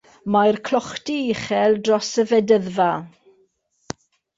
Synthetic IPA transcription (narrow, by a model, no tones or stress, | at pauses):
majrkʰlˠɔχtiɪχɛlˠdrɔsəvɛdəðva